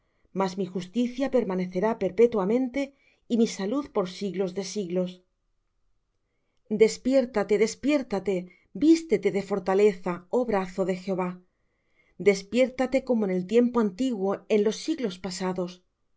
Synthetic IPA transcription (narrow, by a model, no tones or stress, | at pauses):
mazmixust̪iθjape̞ɾmane̞θe̞ɾape̞ɾpe̞t̪wamẽ̞nt̪e̞ | imisaluðpo̞ɾsiɣlo̞zðe̞siɣlo̞s | d̪e̞spje̞ɾt̪at̪e̞ðe̞spje̞ɾt̪at̪e̞ | bist̪e̞t̪e̞ðe̞fo̞ɾt̪ale̞θao̞βɾaθo̞ðe̞xeo̞βa | d̪e̞spje̞ɾt̪at̪e̞ko̞mo̞ene̞lt̪je̞mpoant̪iɣwo̞e̞nlo̞sːiɣlo̞spasaðo̞s